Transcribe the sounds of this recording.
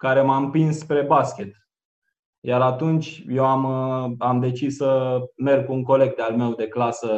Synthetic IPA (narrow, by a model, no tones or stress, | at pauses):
kaɾe̞mampɾinsːpɾe̞baskʲe̞t̪ | jaɾat̪unt͡ʃʲje̞wamamd̪e̞t͡ʃisːəme̞rɡ̚kuuŋko̞le̞ɡ̚d̪ealme̞wd̪e̞klasə